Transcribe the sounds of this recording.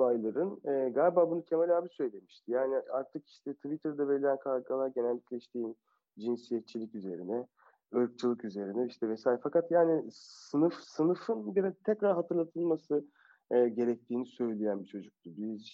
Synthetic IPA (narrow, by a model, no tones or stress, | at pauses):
ajlˠaɾɯnɛɡalʲbaːbunuc̪ʰemelʲaːbisø̞jlʲe̞miʃt̪ʰijaːniaɾt̪ʰɯki̥ʃt̪ʰɛt̪ʰivit̪ʰɛɾd̪ɛveɾilʲænkʰaɾɡalˠaɾɟenælʲːiclʲɛiʃt̪ʰiːn | d͡ʒinsijɛt̪̚t͡ʃːʰilʲicyze̞ɾinɛ | ɯɾk̚t͡ʃʰɯlˠɯkyze̞ɾinɛiʃt̪ʰɛvɛsaːjɾfakat̪jaːnisɯnɯfsɯnɯfɯnbiɾɛt̪ʰɛcɾaɾɦat̪ʰɯɾlˠat̪ʰɯlˠmasɯ | ɟe̞ɾɛc̚t̪ʰiːnisø̞jlʲejænbit͡ʃʰo̞d͡ʒuk̚t̪ubiz